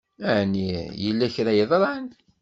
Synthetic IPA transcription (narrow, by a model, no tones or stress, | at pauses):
əʕnijəlːæçɾæjəðˤɾˤən